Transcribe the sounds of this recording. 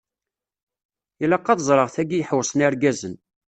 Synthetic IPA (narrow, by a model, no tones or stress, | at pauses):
jəlɑqːɑðzˤɾˤəʁθæɡijħwsˤənaɾɡæzən